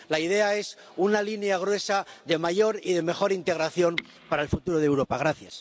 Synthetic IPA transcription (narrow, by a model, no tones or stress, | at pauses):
laiðe̞ae̞s | unalineaɣ̞ɾwe̞saðe̞maʝo̞ɾiðe̞me̞xo̞ɾint̪e̞ɣ̞ɾaθjo̞m | paɾaelfut̪uɾo̞ð̞ewɾo̞paɣ̞ɾaθja̰s